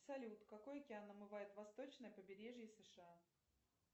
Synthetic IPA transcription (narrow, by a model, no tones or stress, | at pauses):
sɐlʲut̪kɐko̞jkʲɪanəmɨvajɪt̪vɐst̪o̞t͡ɕnəjpəbʲɪɾʲeʐjəsɨʂɨa